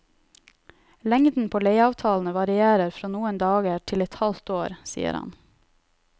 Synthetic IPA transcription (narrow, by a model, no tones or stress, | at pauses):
lɛŋd̪n̩pʰoːleɪɑːʋt̪ʰɑːln̩əʋɑɾɪeːɾəɾfɾoːnuːənd̪ɑːɡəʈʰɪlɛt̪hɑlt̪oːɾsḭːə̰ɾhɑ̰n